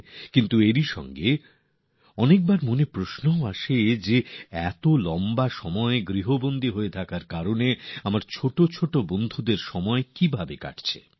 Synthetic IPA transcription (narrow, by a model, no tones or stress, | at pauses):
kint̪ueɾiʃɔ̰ŋɡe | ɔnek̚baɾmonepɾosnooaʃed͡ʑeɛt̪olɔmbaʃɔmɔeɡɾiɦobond̪iɦoet̪ʰakaɾkaɾoneamaɾt͡ɕʰoʈot͡ɕʰoʈobond̪ʱud̪eɾʃɔmɔekibʱabeka̰ʈt͡ɕʰḛ